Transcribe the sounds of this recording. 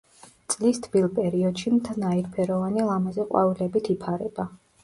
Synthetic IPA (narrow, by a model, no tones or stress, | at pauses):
t̪sʼlist̪ʰbilˠpʼɛɾiɔd̪ʃimt̪ʰnaiɾpʰɛɾɔvanilˠamazɛqʼwa̰vilɛbit̪ʰipʰaɾɛba